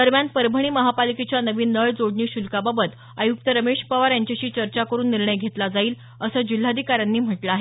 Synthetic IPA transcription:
d̪əɾmjanpəɾbʱəɳ̃iːməɦapaliket͡ɕjanəʋiːnːəɭd͡zoɽɳiːɕulkababət̪ | ajuk̚t̪əɾəmeɕpəʋaɾjaɲt͡ɕaɕiːt͡ɕəɾt͡ɕakəɾuːnːiɾɳəjɡʱet̪lad͡zaiːl | əsəːd͡ʑil̤aːd̪ʱikaɾjanːiːm̤əʈlaaːɦe

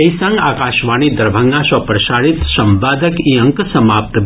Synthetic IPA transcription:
ɐisãŋɡaːkaːʃʋaːñid̪ɐɾbʱɐŋɡãʃɔpɾɐʃaːɽit̪sɐmbaːd̪əkiɐ̃ŋksɐmaːp̚t̪

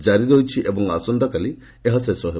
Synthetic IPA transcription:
d͡ʒaɾiɾojt͡ʃʰiʔebɔŋasund̪ʱɐkɐli | eɦɐsɐjsɔɦe

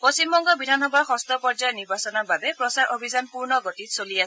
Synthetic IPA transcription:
post͡ʃimbɔŋɡɔbidʱanɔbaɹxɔst̪ɔpɔɹd͡ʒajɔniɹbasɔnababɛpɹɔsaɹʔobʱizanpuɹnɔɡotitsolias

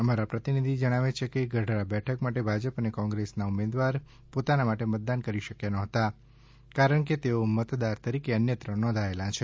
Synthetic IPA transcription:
əmaɾapɾət̪inid̪ʱid͡ʒəɽ̃aʋet͡ʃʰekeɡəɖʱɾabɛʈʰəkmaʈebʱad͡ʒəpənekɔ̃ŋɡɾesnaumed̪ʋaɾ | pot̪anamaʈemət̪̚d̪ankəɾiʃəkjanɔ̃ɦət̪a | kaɾəɳket̪eomət̪d̪aɾt̪əɾikeənjət̪ɾə̃nɔ̃nd̪ʱaelãt͡ʃʰe

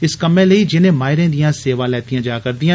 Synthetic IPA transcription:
ɪskəmẽːleid͡ʒɪnẽːmaːɪɾẽːd̪ijãːseːʋãːlɛːt̪ijãːd͡ʒaːkəɾd̪ijã

